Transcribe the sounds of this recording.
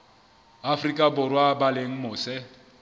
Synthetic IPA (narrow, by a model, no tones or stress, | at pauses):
afrikʼabʊrwabaleŋ̩mʊːsɛ